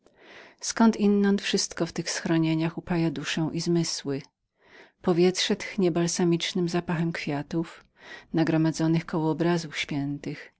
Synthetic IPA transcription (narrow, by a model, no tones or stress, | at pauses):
skɔnt̪inːɔnt̪fʂɘst̪kɔft̪ɘxsxɾɔɲeɲaxupajad̪uʂɛ̃w̃ʔizmɘswɘ | pɔvʲjɛt̪ʂɛt̪ɘxɲɛbalsamʲit͡ʂnɘmzapaxɛmkfʲjat̪uf | naɡɾɔmad̪zɔnɘxkɔwɔːbɾazufɕfʲjɛnt̪ɘx